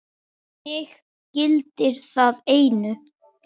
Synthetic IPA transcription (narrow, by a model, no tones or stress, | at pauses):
jɪɣ | cɪlt̪ɪɾ̥θaðeːjnʏ